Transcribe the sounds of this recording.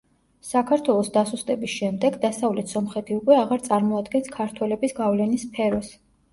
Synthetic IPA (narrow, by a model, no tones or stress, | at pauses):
sakʰaɾt̪ʰwɛlˠɔsd̪asust̪ʼɛbisʃɛmd̪ɛɡd̪asavlɛt̪ʰsɔmχɛt̪ʰiukʼwɛaʁaɾt̪sʼaɾmɔad̪ɡɛnskʰaɾt̪ʰwɛlɛbisɡavlɛnispʰɛɾɔs